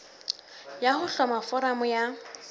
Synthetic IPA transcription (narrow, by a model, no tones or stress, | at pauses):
jahʊɬɔmafɔɾamʊja